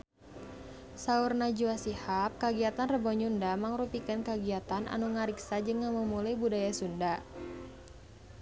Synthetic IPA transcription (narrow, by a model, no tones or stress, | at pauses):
saurnad͡ʒuasihap̚kəɡiat̪anrəbɔɲundaməŋɾupikankəɡiat̪anʔa̰nuŋaɾiksad͡ʒəŋaməmulajbudajasunda